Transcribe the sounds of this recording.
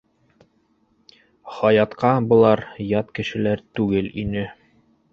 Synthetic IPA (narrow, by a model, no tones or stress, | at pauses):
χɑjɑt̪qɑbɤ̆lˠɑɾjɑt̪kɘ̆ʃɘ̆læɾt̪ʉɡɘlinɘ